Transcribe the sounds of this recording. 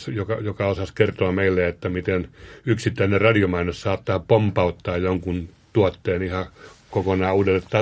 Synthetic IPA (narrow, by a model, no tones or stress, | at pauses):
sjokɑjokɑosɑskert̪oɑmeilːeet̪ːæmit̪enyksit̪ːæinerrɑdiomɑinossɑːt̪ːɑːpompɑut̪ːɑːjjoŋkunt̪uɑt̪ːeːnihɑkokonɑːuːdelːet̪tɑ